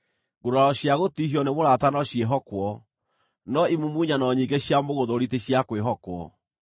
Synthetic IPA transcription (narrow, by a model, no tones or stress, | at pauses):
ŋɡoɾaɾɔɕjaɣotiɦiɔnemoɾatanɔɕieɦɔkwɔ | nɔimumuɲanɔɲiɡeɕjamoɣoðoɾiteɕjakweɦɔkwɔ̰